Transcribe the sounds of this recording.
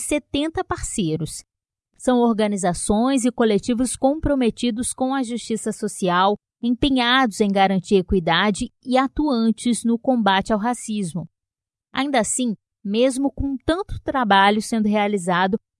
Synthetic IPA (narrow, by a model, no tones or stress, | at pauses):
set̪ẽnt̪ɐpaɾsejɾʊs | sɐ̃w̃oɾɡɐnizasõj̃zɪkolet͡ʃivʊskõpɾomet͡ʃid̪ʊskõw̃ɐʒust͡ʃisɐsosiaw | ẽpẽɲad̪ʊzẽj̃ɡaɾɐ̃nt͡ʃiɐekwid̪ad͡ʒɪɪat̪uɐ̃nt͡ʃɪznʊkõbat͡ʃɪawɦasizmʊ | a̰ĩnd̪asĩ | mezmʊkõt̪ɐ̃nt̪ʊ̥t̪ɾabaʎʊsẽnd̪ʊɦealizad̪ʊ